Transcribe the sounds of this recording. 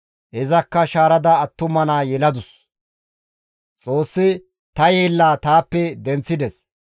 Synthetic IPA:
ɛzɐkːɐʃaːɾɐd̪ɐːt̪ːʊmɐnaːjɛlɐd̪ʊs | t͡sʼo̞ːsːɪ | t̪ɐjeːlːaːt̪aːpːɛd̪ɛnt͡sːɪd̪ɛs

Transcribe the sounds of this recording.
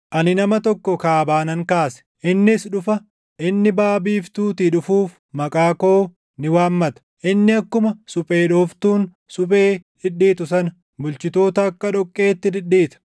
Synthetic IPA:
ʔɐnɪnɐmɐt̪ɔkːɔkaːbaːnɐŋkaːsɛ̥ʔɪnːɪsᶑʊfɐ | ʔɪnːɪbaːbiːft̪uːt̪iᶑʊfuːf | mɐkʼaːko̞ː | nɪwaːmːɐt̪ɐ̥ʔɪnːɪɐkːʊmɐsʊpʼe̞ːᶑoːft̪uːn | sʊpʼe̞ːᶑɪᶑiːt̪ʊsɐnɐ | bʊlt͡ʃɪt̪o̞ːt̪ɐːkːɐᶑɔkʼːe̞ːt̪ːɪᶑ̪ɪᶑːiːt̪ɐ̥

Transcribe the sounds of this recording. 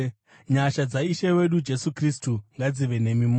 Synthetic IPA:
ɲaʃad͡zaiʃewe̞ɗud͡ʒe̞sukristuŋɡad͡ziʋe̞ne̞mim

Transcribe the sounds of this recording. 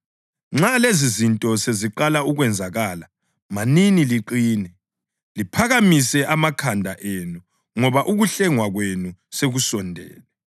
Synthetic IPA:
ŋ͡ǁalezizintʼɔseziǃalauɣwɛnd͡zʱaɣaːla | maniniliǃiːnɛ | lipʰaɣamisɛʔamakʰandʱaʔenu | ŋɔβaʔuɣuɬɛŋwaɣwenuseɣusɔndʱɛ̰ːlɛ

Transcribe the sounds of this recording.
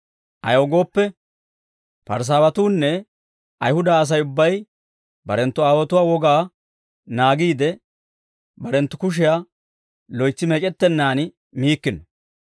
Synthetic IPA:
ʔɐ̰joɡo̞ːpːɛ | pɐɾs̬aːwɐt̪uːnːɛ | ʔɐjhʊd̪aːs̬ɐjʊbːɐj | bɐɾɛnt̪ːʊaːwɐt̪ʊwaːwɔɡaː | naːɡiːd̪ɛ | bɐɾɛnt̪ːʊkʊʃ̬ɪjaː | lɔjt͡sːɪmɛt͡ʃʼɛt̪ːɛnːaːnɪ | miːkːɪnɔ

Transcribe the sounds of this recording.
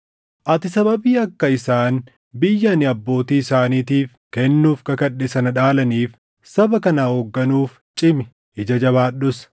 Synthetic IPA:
ʔɐt̪ɪsɐbɐbiːɐkːɐɪsaːn | bɪjːɐnɪɐbːo̞ːt̪iːɪsaːniːt̪iːf | kɛnːuːfkɐkɐᶑːɛsɐnɐᶑaːlɐniːf | sɐbɐkɐnaːhoːɡːɐnuːf | t͡ʃʼɪmɪ | ɪd͡ʒɐd͡ʒɐβaːɗʊs

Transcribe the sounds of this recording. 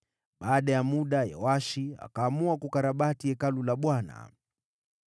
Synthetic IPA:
ɓaːɗajamuɗaja̰waʃia̰kaːmuakukaɾaɓatiɛkalulaɓwana̰

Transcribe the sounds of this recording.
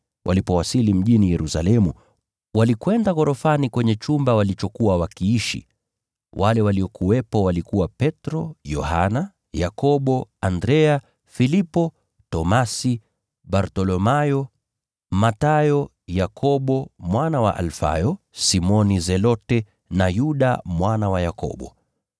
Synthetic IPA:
wʔa̰lipɔwasilim̩ʄinijɛɾusalɛmu | walikwɛndaɣɔɾɔfanikwɛɲɛt͡ʃumbawalit͡ʃɔkuwawakiiʃḭ | wʔalɛwaliɔkuwɛpɔwalikuwapɛtɾɔjɔ̰ha̰na | jakɔɓɔandɾɛa | filipɔ | tɔmasi | ɓaɾtɔlɔmajɔ | matajɔ | jakʰɔɓɔmwanawa̰ʔa̰lfa̰jɔ | simɔnizɛlɔtɛ | najuɗa̰mwanawajakɔ̰ɓɔ̰

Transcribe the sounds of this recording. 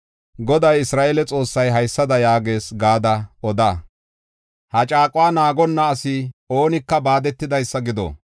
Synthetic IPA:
ɡɔd̪ɐjɪsɾaːʔelɛt͡sʼo̞ːsːɐjɦɐjsːɐd̪ɐjaːɡe̞ːsɡaːd̪ɐɔd̪aː | hɐt͡ʃʼaːkʼʊwaːnaːɡɔnːɐːsɪo̞ːnɪkːɐbaːd̪ɛt̪ːɪd̪ɐjsːɐɡɪd̪o̰

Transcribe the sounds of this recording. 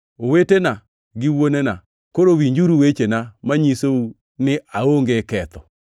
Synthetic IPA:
owetena | ɡɪwonena | koɾowiɲd͡ʒuɾuwet͡ʃenamaɲisou | nɪʔaoŋɡekɛt̪ɔ

